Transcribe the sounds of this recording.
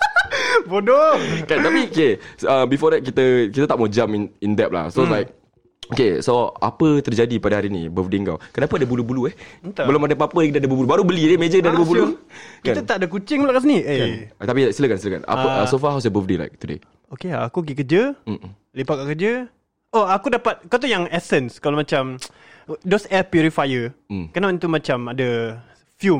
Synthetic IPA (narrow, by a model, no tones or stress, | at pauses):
bodokant̪apiokeəmbifɔdɛt̪̚kit̪əkit̪at̪aʔmod͡ʒaminindɛp̚la̰hsolajk̚ | okesoa̰pət̪ərd͡ʒadipadaɦaɾinḭbəfdeŋka̰wkənapəadəbulubuluɛht̪bəlʊmadapəapədadəbubulubaɾubəlidemed͡ʒədadəbəbulukianut̪aʔadəkut͡ʃɪŋəlaʔkas̬əniʔet̪apiasiləkansiləka̰na̰əəsofaɦawsəbəfdela̰ɪk̚t̪udḛ | okeaakuɡikəd͡ʒə | lipakaʔkəd͡ʒə | oakudapat̪̚kawt̪ujaŋɛsənskalamãt͡ʃam | dosɛpjuɾifajəkənawint̪umat͡ʃamadə | fjum